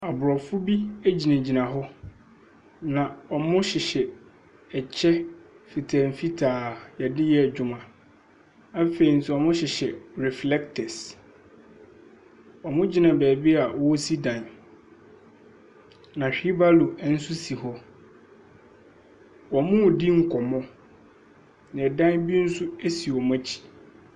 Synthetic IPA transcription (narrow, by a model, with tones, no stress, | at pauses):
a˨bʊ˨ɾɔ˨fʊ˦bi˦æ˦d͡ʑi˨nã˨d͡ʑi˨nã˨ɦɔ˦ | nã˨ɔ˨mʊ̃˦ɕɪ˨ɕɛ˨ | ɛ˨t͡ɕʰɛ˦ | fi˨tʰa˨m̩˨fi˦tʰaː˨jɛ˨dɪ˦jɛ˦˨d͡ʑᶣʊ˨mã˨ | a˦fe˨i˨n̩˨sʊ˨ɔ˨mʊ̃˦ɕɪ˨ɕɛ˨ɾɛ˨flɛ˦ktʰɛ˨s | ɔ˨mʊ̃˦d͡ʑi˦nã˨bæː˨bi˦a˨ʔwɔ˦si˦dã˨n | nã˨ɕᶣi˦ba˦lu˨˦n̩˦sʊ˦si˨ɦɔ˦ | wɔ˨mʊ̃˦˨di˦ŋ̩˦kʰɔ˨mɔ̃˦ | nɪ̃˨ɛ˨dã˦bi˦n̩˦sʊ˦e˦si˨ɔ˨m˦a˦t͡ɕʰi̥˨